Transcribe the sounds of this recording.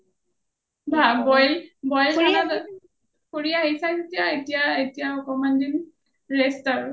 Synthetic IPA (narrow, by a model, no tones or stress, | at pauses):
bʱabɔjbɔjlʰana | koɹijaɦisaketijaetijaetijaɔkɔmandin | ɹestɔɹ